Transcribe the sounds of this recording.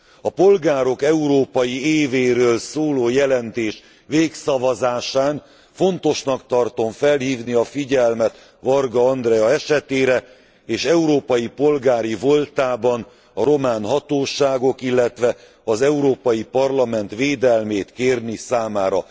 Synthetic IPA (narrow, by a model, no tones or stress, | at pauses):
ɒpo̞lɡaːɾo̞kɛuɾoːpɒjieːveːɾøːlsoːloːjɛlɛnt̪eːʃ | ʋeːksɒvɒzaːʃaːn | fo̞nt̪o̞ʃnɒkt̪ɒrt̪o̞ɱfɛlhiːvniɒfiɟɛlmɛt̪ | vɒrɡɒɒnd̪rɛjɒɛʃɛt̪eːɾɛ | eːʃɛuɾoːpɒjipo̞lɡaːɾivo̞lt̪aːbɒn | ɒɾo̞maːnɦɒt̪oːʃaːɡo̞kilːɛt̪ʋɛ | ɒzɛuɾoːpɒjipɒrlɒmɛnt̪ʋeːd̪ɛlmeːt̪keːrnisaːmaːɾɒ